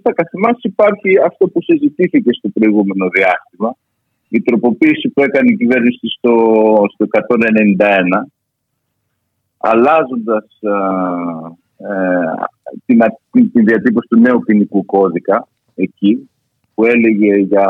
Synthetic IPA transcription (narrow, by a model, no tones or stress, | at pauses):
t̪ɐkɐθimɐsipɐɾçiɐft̪o̞pusizit̪iθice̞st̪o̞pɾo̞iɣume̞no̞ðiɐst̪imɐ | it̪ɾo̞po̞piːsipue̞kɐneicive̞ɾnisist̪o̞st̪o̞e̞kɐt̪o̞ne̞ne̞nind̪ɐe̞nɐ | ɐ̰lɐzo̞nd̪ɐs | t̪inɐit̪inðiɐt̪ipo̞si̥t̪une̞upinikuko̞ðikɐ | e̞ci | pue̞le̞ʝe̞ʝɐ